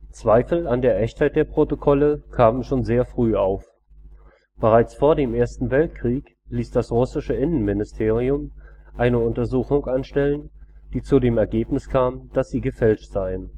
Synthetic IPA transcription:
t͡sv̥aɪfl̩andeːɐʔɛçthaɪt̚d̥eːɐpʁ̥otokʰɔləkʰaːmənʃoːnzeːɐfʁ̥yːaʊf | b̥əʁaɪt͡sfoːɐdeːmʔeːɐstn̩vɛltkʁ̥iːk | liːsd̥asʁʊsɪʃəʔɪnənmɪnɪstʰeːʁ̞iʊmʔaɪnəʊntɐzuːxʊŋʔanʃtɛlənd̥iːt͡sudeːmɛɐɡeːpnɪskʰaːmd̥asz̥iːɡəfɛlʃtz̥aɪən

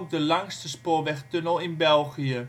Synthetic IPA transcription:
k̚dəlɑŋstəspoːɹʋɛχtønəlˠɪnbɛlˠχiə

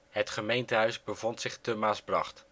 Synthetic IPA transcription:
ɦətχəmejntəɦœɥzbəvɔntsɪχtəmaːsbrɑ̰χt

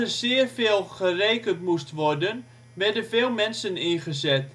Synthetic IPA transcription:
əsɪːərfeːlˠχəreːkəntmustʋɔrdən | ʋɛrdənveːlˠmɛnsənɪnχəzɛt

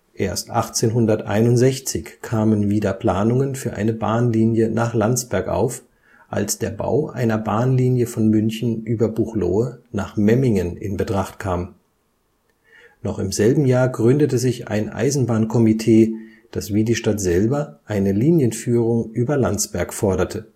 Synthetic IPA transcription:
ʔeːɐstʔaχt͡seːnɦʊndɐtʔa̰ɪnʊntz̥ɛçt͡sɪçkʰaːmənviːdɐpl̥aːnʊŋənfyːɐʔa̰ɪnəbaːnliːnjənaːχlant͡sb̥ɛɐkʔa̰ʊf | ʔa̰lsd̥eːɐba̰ʊʔa̰ɪnɐbaːnliːnjəfɔnmʏnçn̩ʔyːbɐbuχlo̰ːənaːχmɛmɪŋənɪ̰nbətʁ̥aχtkʰaːm | nɔχɪmzɛlbm̩jaːɐɡʁʏndətəzɪça̰ɪnʔa̰ɪzn̩baːnkʰɔmitʰeː | d̥asviːdiːʃtatz̥ɛlbɐʔaɪnəliːnjənfyːʁʊŋʔyːbɐlant͡sb̥ɛɐkfɔɐɾɐtʰə

